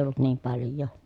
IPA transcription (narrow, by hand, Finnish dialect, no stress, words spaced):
olːut niːm pɑljˑoː